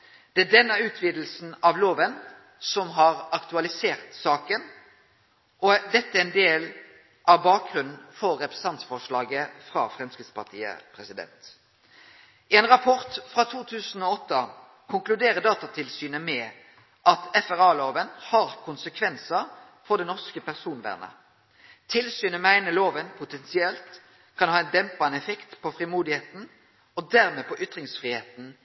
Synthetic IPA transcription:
d̪̥ɛæd̪ɛnːəʉːt̪ʰʋiːd̪l̩sn̩ɑʋloːʋən | sɔmɦɑɾɑkt̪ʉɑlɪseːɾt̪sɑːkən | ɔd̪ɛt̪ːəæɛnd̪eːl | ʔɑbɑːk̚ɡʁʉnnn̩fɔɾːɛpɾə̥sɑnt̪sfɔʂlɑːɡəfʁɑ̰ːfʁɛmskʁɪspɑ̰ʁt̪ʰḭːə̰pʰɾɛsɪd̪ɛ̰nt̪ | ʔɪɛnɾɑpʰɔɾt̪fɾɑt̪ʰuːt̪ʰʉːsn̩ɔːɔt̪ːə | kʰʊŋklʉd̪eːʁəd̪ɑːt̪ɑt̪ʰɪlsyːnəmɛ | ʔɑt̪ɛfæʁɑːloːʋənhɑʁkʰʊnsəkʰʋɛnsə | fɔd̪ɛnɔʁskəpæʁsuːnʋæ̰ːʁnə̰ | t̪ʰɪlsyːnəmæɪnəloːʋənpʰʊt̪ɛnsɪɛlt̪ | kʰɑnhɑːɛnd̪ɛmpɑnɛfɛkt̪pʰɔfʁɪmuːd̪ɪheːt̪n̩ | ɔd̪æʁmɛːpɔʔʏt̪ʁɪŋsfʁiːheːt̪n̩

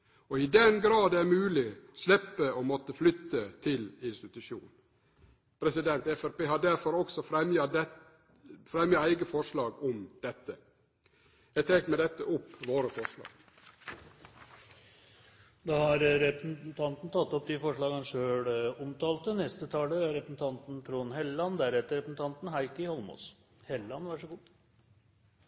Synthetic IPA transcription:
ɔɪd̪ɛnɡɾɑːd̪æɾmʉːlɪslɛpːəɔmɔt̪əflʏt̪ːət̪ʰɪlɪnst̪ɪt̪ʉʃjṵːnn | pʰɾɛsɪd̪ɛnt̪ɛfæɾpeːhɑɖ̪æɾfɔɾɔksɔfɾɛmjɑd̪ɛ | fɾɛmjɑæɪɡəfɔʂlɑːɡɔmd̪ɛt̪ːə | jæɪt̪ʰeːkmɛd̪ɛt̪ːəʔʊpːʋoːɾəfɔʂlɑ̰ːɡ̥ | d̪ɑːhɑɾɾɛpɾəsn̩n̩t̪ʰɑnt̪n̩t̪ʰɑt̪ːɔp̚d̪ɪfɔʂɭɑːɡɑnʂøːɽɔmt̪ʰɑːlt̪ənɛst̪ət̪ʰɑːləɾɛpɾəsn̩t̪ʰɑnt̪n̩t̪ʰɾuːnɦɛllɑnd̪æɾɛt̪ːəɾɛpɾəsn̩t̪ɑnt̪n̩ɦæɪkəhɔlmɔ̰s | hɛlːɑnʋæʂəɡuː

